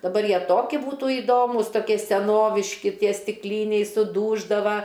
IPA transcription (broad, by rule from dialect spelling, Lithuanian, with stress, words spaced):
dɐˈbɐr ˈjiɛ ˈtoːkʲɪ ˈbuːtʊ iːˈdoːmʊs toːˈkʲiɛ sʲɛˈnoːʋʲɪʃʲkʲɪ ˈtʲiɛ sʲtʲɪkˈlʲiːnʲɛɪ sʊˈduːʒdɐʋɐ